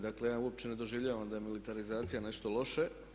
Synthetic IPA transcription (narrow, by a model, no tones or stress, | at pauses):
d̪akle̞jaːuop̚t͡ɕe̞ne̞d̪o̞ʒiʋʎaːʋamd̪aje̞milit̪aɾizaːt̪sijane̞ʃt̪o̞lo̞ʃe